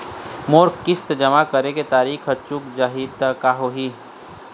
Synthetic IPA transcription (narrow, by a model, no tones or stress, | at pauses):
moːɾkɪst̪d͡ʒɐmakəɾeket̪aːɾiːkʰɐt͡ʃːukd͡ʒaɦiːd̪əkaːɦoɦi